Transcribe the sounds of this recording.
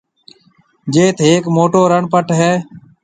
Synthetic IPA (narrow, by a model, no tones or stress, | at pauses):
d͡ʒeːt̪ʰeːkmoːʈoːɾəɳpəʈɦɛː